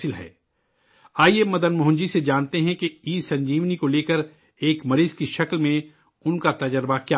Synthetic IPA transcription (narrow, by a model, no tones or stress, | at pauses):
ɪlɦɛ̰ː | aːiemɐd̪ənmʊɦʊ̃ɲd͡ʒised͡ʒaːnt̪eɦɛ̃keiːsɐ̃ɲd͡ʒiːʋnikoleːkəɾ | eːkmɐɾiːzkiʃɐklmẽ | ʊnkat̪ɐd͡ʒəɾbakjaː